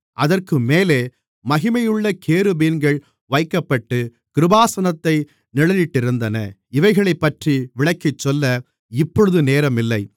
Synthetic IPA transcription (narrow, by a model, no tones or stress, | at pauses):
ʔɐðɐrkɯmeːleː | mɐɣɪmɐjɯɭːɐkʰeːɾɯbiːnɡɐɭ | ʋɐɪkːɐpːɐʈːɯ | kɪɾɯbaːsɐnɐt̪ːɐɪ | nɪɭɐjɪʈːɪɾɯnd̪ɐnɐ̰ɪʋɐɪɣɐɭɐɪpːɐʈriʋɪɭɐkːɪt͡ʃːɔlːɐ | ɪpːɔɻɯðɯneːɾɐmɪlːɐɪ